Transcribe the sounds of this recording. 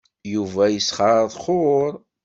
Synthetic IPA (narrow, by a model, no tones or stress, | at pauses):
juvæjəsχɑɾˤðˤχʊɾˤ